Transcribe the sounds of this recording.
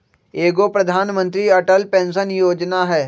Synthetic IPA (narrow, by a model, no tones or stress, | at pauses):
eːɡopɾɐd̪ʱaːnmə̃nt̪ɾiɐʈəlpẽːnsənjoːd͡ʒnaɦɛː